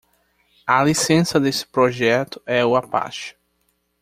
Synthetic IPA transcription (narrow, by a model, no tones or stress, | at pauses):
ɐlisẽsɐd̪esɪ̥pɾoʒɛt̪ʊ̥ɛʊapa̰ʃʊ̥